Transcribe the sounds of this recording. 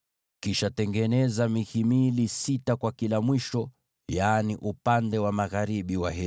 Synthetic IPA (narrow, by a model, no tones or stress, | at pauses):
kiʃatɛŋɡɛnɛzamiɣimilisitakwakilamwiʃɔ | jaːniʔupandɛwamaɣaɾiɓiwaɦɛ